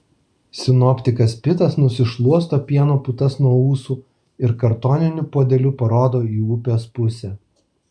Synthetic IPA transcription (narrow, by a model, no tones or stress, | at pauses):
sʲɪnɔpʲt̪ʲɪkɐspʲɪt̪ɐsnʊsʲɪʃlˠuɔs̬t̪oːpʲiɛnoːpʊt̪ɐsnuɔuːsuː | ɪɾkɐɾt̪oːnʲɪnʲʊpoːd̪ʲɛlʲʊpɐɾoːd̪oːiːʊpʲoːspʊsʲɛː